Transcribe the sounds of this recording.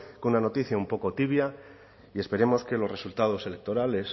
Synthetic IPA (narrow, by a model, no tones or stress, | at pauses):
kounano̞t̪iθjaumpo̞ko̞t̪iβja | ie̞spe̞ɾe̞mo̞ske̞lo̞sre̞sult̪að̞o̞se̞le̞k̚t̪o̞ɾale̞s